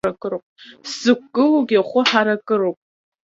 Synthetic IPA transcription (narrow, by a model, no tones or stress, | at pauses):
akʼɨɾopʼsɨkʷɡʼɨluɡʲiχʷʊħaɾakʼɨɾowpʼ